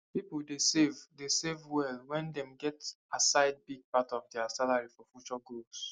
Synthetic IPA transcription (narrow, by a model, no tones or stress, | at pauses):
pipldesevdesevwɛlwɛ̃ndɛ̃mɡɛt | asaɪd̚biɡ̚patɔvdɛasalaɹifɔfjut͡ʃɔɡos